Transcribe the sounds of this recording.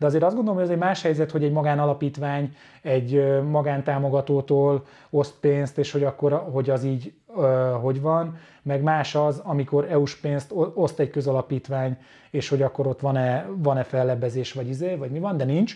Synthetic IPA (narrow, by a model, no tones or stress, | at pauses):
d̪ɛɒzeːɾɒzɡond̪olomhoɒzɛɟmaːʃhɛjzɛt̪ho̞ɟɛɟmɒɡaːnɒlɒpiːt̪ʋaːɲ | ɛɟømɒɡaːnt̪aːmo̞ɡɒt̪oːt̪oːl | o̞st̪̚peːnst̪eːʃho̞ɟɒkːo̞ɾɦo̞ɟɒziːɟ | øɦo̞ɟʋɒn | mɛɡmaːʃɒzɒmiko̞ɾɛuʃpeːnst̪o̞st̪ɛɟkøzɒlɒpiːt̪ʋaːɲ | eːʃho̞ɟɒkːo̞ɾo̞t̪ʋɒnɛvɒnɛfɛlːɛbɛzeːʃʋɒɟizeːvɒɟmivɒnd̪ɛnint͡ʃ